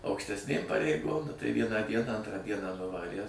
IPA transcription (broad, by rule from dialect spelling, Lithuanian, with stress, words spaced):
ɐʊkʃʲtʲɛsʲˈnʲeːm pɐrʲɛɪˈɡoːm nʊ tɐɪ ˈʋʲiɛnɑː ˈdʲiɛnɑː ˈɐntrɑː ˈdʲiɛnɑː nʊˈʋɑːrʲiɛ